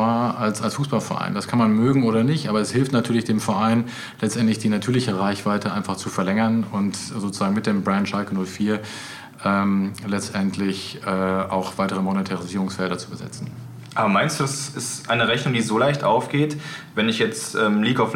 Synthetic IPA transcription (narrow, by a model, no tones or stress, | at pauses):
aːɐalsalsfuːsb̥alfɛɐʔa̰ɪnd̥askʰanmanmøːɡŋ̩ʔoːɾɐnɪçtʔaːbɐɛshɪlftnatʰyːɐlɪçd̥eːmfɛɐʔaɪn | lɛt͡stʔɛntlɪçd̥iːnatʰyːɐlɪçəʁaɪçv̥aɪtʰəʔaɪnfaχt͡sufɛɐlɛŋɐnʊntzoːt͡suz̥aːɡŋ̩mɪt̚d̥eːmbʁantʃalkənʊlfiːɐ | ʔɛːmlɛt͡stʔɛntʰlɪçʔɛːʔa̰ʊxv̥aɪtəʁ̞əmonetʰaʁiziːʁʊŋsfɛldɐt͡subəzɛ̰t͡sn̩ | ʔaːbɐmaɪnstd̥uːɛsɪsʔaɪnəʁɛçnʊŋdiːzolaɪçtʔaʊfɡ̥eːtvɛnɪçjɛt͡sʔɛːmliːɡaʊf